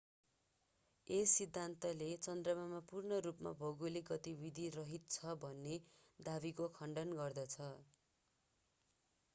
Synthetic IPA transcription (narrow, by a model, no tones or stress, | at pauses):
esid̪ʱːant̪ʌlet͡sʌnd̪rʌmamapurnʌɾupma̰bʱʌɡuliɡʌt̪ibid̪ʱirʌɦit̪̚t͡sʰʌbʱʌnːe | d̪abikokʰʌɳɖʌnɡʌrd̪ʌt͡sʰʌ